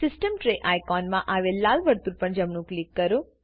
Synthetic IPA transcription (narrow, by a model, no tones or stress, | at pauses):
sɪsʈəmʈɾeʔajkɔnmãʔaʋelːalʋəɾt̪uɾpəɳd͡ʒəmɳũklikːəɾũ